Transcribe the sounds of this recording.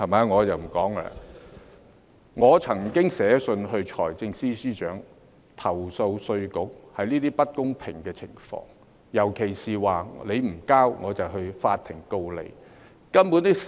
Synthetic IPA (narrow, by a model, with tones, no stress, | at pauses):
hɐ˨˩ma˨˧ŋɔː˨˧jɐ˨wm̩˨˩kɔː˨˥ŋa̰˧ | ŋɔː˨˧t͡sʰɐ˨˩ŋkɪ˥ŋsɛː˨˥sɵ˧nɦɵ˧ɥt͡ʃʰɔː˨˩jt͡sɪ˧ŋsiː˥siː˥t͡ʃœː˨˥ŋ | t̪ʰɐ˨˩wso˧wsɵ˧ɥkʊ˨˥k̚hɐ˨jniː˥t̪iː˥pɐ˥t̚kʊ˥ŋpʰɪ˨˩ŋkɛː˧t͡sʰɪ˨˩ŋfɔ̰ː˧ŋ | jɐ˨˩wkʰe˨˩jsiː˨waː˨le˨˧jm̩˨˩kaː˥wŋɔː˨˧t͡sɐ˨wɦɵ˧ɥfa̰ː˧t̪ʰːɪ˨˩ŋko˧wlḛ˨˧j | kɐ˥npuː˨˥nt̪i˥